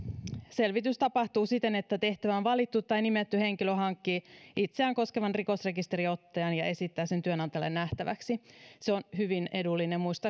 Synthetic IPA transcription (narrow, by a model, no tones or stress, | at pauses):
se̞lʋit̪yst̪ɑpɑht̪uːsit̪e̞ne̞t̪ːæt̪e̞ht̪æʋæonʋɑlit̪ːut̪ːɑjnimet̪ːyhe̞ŋkiløɦɑŋkːiːit̪seæːŋko̞ske̞ʋɑnriko̞sre̞kist̪eɾio̞t̪ːɑjɑnjɑʔe̞sit̪ːæːse̞nt̪yønɑnt̪elḛnːæht̪æʋæ̰ksiseo̞nɦyʋine̞dulːinemuist̪ɑ